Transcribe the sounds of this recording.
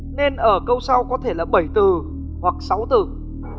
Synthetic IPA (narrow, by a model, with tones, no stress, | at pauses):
ne˧nʔəː˧˩kə˧wsa˧wkɔ˨˦t̪ʰe˧˩laː˨˩ɓə˧˩jt̪ɨ˨˩ | hwa˨˩k̚sa˨˦wt̪ɨ˨˧˩